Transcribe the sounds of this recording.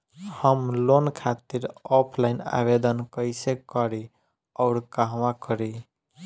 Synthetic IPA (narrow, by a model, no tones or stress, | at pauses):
həmlonkʰat̪iɾɔpʰlaɪna̰bed̪ənkəɪjsekəɾi | ɔʊɾkaɦʋãkəɾi